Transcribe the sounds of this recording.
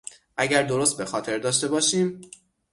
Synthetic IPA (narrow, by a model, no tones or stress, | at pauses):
ʔæɟæɾd̪o̞ɾost̪̚be̞xɒːt̪ʰe̞ɾd̪ɒːʃt̪e̞bɒːʃiːm